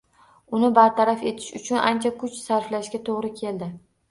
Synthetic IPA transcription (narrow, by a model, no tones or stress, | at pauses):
ʊnɪbaɾt̪ʰaɾafe̞t̪ʰɪ̥ʃʊt͡ʃʰʊnʔa̰nt͡ʃʰakʰʊt͡ʃsaɾflaʃkʲat̪ʰoʁɾɪkʲʰe̞ld̪ɪ